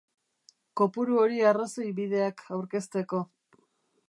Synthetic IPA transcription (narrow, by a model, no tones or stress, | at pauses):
ko̞puɾuo̞ɾiaraso̞jβiðe̞akʰawɾke̞st̪e̞ko̞